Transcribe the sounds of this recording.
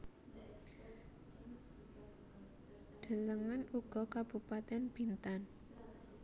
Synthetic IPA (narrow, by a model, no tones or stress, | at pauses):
d̪̥ə̤ləŋanuɡ̥ɔ̤kab̥ṳpat̪ɛnb̥i̤nt̪an